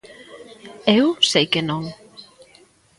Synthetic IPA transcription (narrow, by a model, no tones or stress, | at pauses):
ewsejkenõŋ